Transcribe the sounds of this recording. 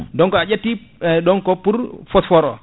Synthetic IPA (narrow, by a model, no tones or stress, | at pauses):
dɔŋkɔad͡ʒatːidɔŋkɔpuɾfɔsfɔɾɔ